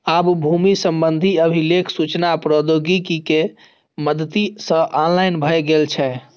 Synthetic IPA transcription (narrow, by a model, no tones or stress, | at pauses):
abbʱumisəmbənd̪ʱiəbʱilekʰsut͡ʃnapɾəd̪oɡikike | məd̪ət̪isə̃ʔɔnlajnbʱəjɡelt͡ʃʰɛ